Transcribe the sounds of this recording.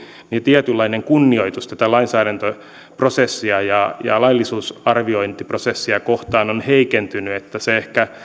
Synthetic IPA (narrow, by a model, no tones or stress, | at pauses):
nit̪iæt̪ylːɑineŋkunːioit̪ust̪æt̪ælɑinsæːɾænt̪o | prosesːiɑjɑjɑ̰lɑilːisuːsɑrʋioint̪iprosesːiɑkoht̪ɑːnonheikent̪ynyet̪ːæseehkæ